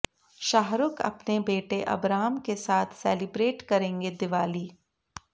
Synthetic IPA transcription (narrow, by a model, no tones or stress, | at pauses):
ʃaːɦɾʊkɐ̰pnebeːʈeʔɐ̰bɾaːɦmkesaːt̪ʰsɛːlɪbɾeːʈkɐɾẽːŋɡed̪ɪʋaːliː